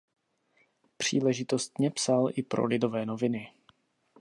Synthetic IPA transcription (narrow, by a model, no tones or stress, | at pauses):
pr̝̥iːlɛʒɪt̪o̞st̪ɲɛpsalʔɪpɾo̞̰lɪdo̞vɛːno̞vɪnɪ